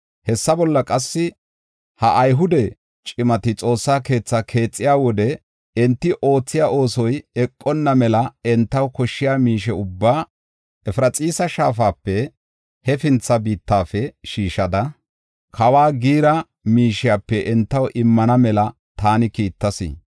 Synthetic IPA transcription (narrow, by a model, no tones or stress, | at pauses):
hɛsːɐbɔlːɐkʼɐsːɪ | hɐʔɐjɦʊd̪ɛ | t͡ʃʼɪmɐt̪ɪt͡sʼo̞ːsːaːke̞ːt͡sːɐkʰe̞ːt͡sʼːɪjaːwɔd̪ɛ | ɛnt̪ːɪʔo̞ːt͡sːɪjaːʔo̞ːsɔjɛkʼːɔnːɐmɛlɐɛnt̪ːɐwkɔʃːɪjaːmiːʃɛʊbːaː | ɛfɪɾɐt͡sʼiːsɐʃaːfaːpːɛ | hɛfɪnt͡sːɐbiːt̪ːaːfɛʃiːʃɐd̪ɐ | kʰɐwaːɡiːɾɐ | miːʃɪjapːɛʔɛnt̪ːɐwʔɪmːɐnɐmɛlɐ | t̪aːnɪkiːt̪ːɐsɪ̰